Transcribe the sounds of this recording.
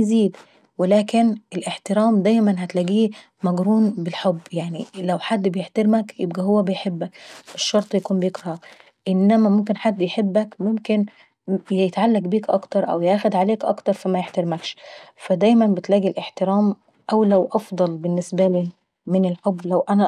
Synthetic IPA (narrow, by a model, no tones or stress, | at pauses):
jziːd̪ | welæːkenʔelʔeħt̪ɪɾæːmd̪æːjmænɦæt̪læːɡiː | mæɡɾuːnbɪlħobːjaʕnilæwħad̪ːbejeħt̪eɾmækjḛb̚ɡæhowːæbejħebːækɪʃːɑɾˤt̪ˤjækuːmbjekɾɑ | ʔɪnːæmæmomk̬enħad̪ːjeħebːækmomkɪn | jet̪ʕalːæɡbiːkʔɑ̰kt̪ɑɾˤʔæ̰wjʔæːxʊd̪ʕaleːkʔɑ̰kt̪ɑɾˤfimæjeħt̪ɑɾmækʃfæd̪æjmænbɪt̪læːɡilʔeħt̪eɾæːm | ʔæwlæwʔɑfd̪ˤɑlbɪnːɪsbæliː | mɪnɪlħobːlæwʔænæ